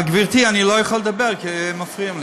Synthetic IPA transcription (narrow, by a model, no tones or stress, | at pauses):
aɡbiʁt̪ianilojaχaled̪abeʁkimafʁiamli